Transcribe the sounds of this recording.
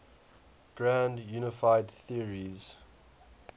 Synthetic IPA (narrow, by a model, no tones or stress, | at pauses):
ɡ̥ɹãndjuːnəfaɪdθiəɹiz̥